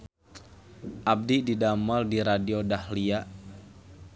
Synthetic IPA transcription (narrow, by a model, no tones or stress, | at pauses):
ʔab̚dididamaldiɾadiodahliaʔ